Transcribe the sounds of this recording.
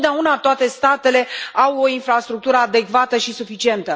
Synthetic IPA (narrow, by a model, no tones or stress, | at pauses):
d̪eaunat̪oat̪e̞st̪at̪e̞le̞awo̞infɾast̪ɾuk̚t̪uɾəad̪e̞kvat̪əʃisufit͡ʃie̞nt̪ə